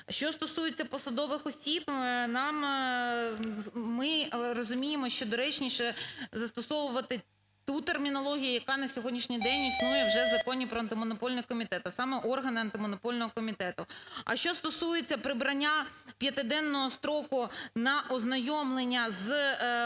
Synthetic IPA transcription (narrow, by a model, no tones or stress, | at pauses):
ʃt͡ʃɔst̪ɔsujet͡sʲːɐpɔsɐd̪ɔʋɪxɔsʲibnɑm | mɪrɔzʊmʲijemɔʃt͡ʃɔd̪ɔɾɛt͡ʃnʲiʃɛzɐst̪ɔsɔʋʊʋɐt̪ɪ | t̪ut̪ermʲinɔlˠɔɦʲijʊjɐkɑnɐsʲɔɦɔdʲnʲiʃnʲijd̪ɛnʲisnujɛwʒɛzɐkɔnʲipɾɔɐnt̪ɪmɔnɔpɔlʲnɛkɔmʲit̪ɛt̪ɐsɑmɛʔɔrɦɐnɪɐnt̪ɪmɔnɔpɔlʲnɔɦɔkɔmʲit̪ɛt̪ʊɐ̰ʃt͡ʃɔst̪ɔsujet͡sʲːɐpɾɪbɾɐnʲːapʲjɐt̪ɪd̪ɛnːɔɦɔst̪ɾɔkʊnɐʔɔznɐjɔmlˠenʲːɐz